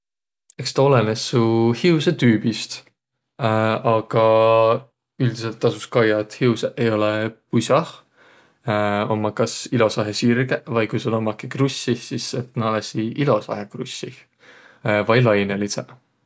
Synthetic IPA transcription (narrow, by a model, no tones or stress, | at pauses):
e̞kst̪ɑo̞lenesːuhiuwset̪yːb̥ist̪ | ɑɡ̥ɑ | yld̪̥ise̞lt̪ːˑɑsuskɑjɑt̪hiuseʔejo̞lɛpusʲɑh | o̞mːɑkɑsilo̞sɑɦesirɡevɑjkujsolo̞mːɑkikrusʲːisiset̪nɑlɑsiʔilo̞sɑ̰hekrṵsːi | vɑjlɑjnelisḛ